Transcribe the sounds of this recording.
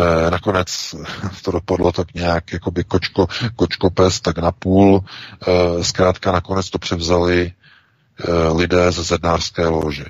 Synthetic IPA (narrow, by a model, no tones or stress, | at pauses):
nako̞nɛt͡st̪odo̞padlot̪akɲɛjakjako̞bɪkot͡ʃkokot͡ʃko̞pɛst̪aknapuːl | skɾaːt̪kanakonɛt͡st̪o̞pr̝̥ɛvzalɪ | lɪdɛːzɛsɛd̚naːr̥skɛːloːʒɛ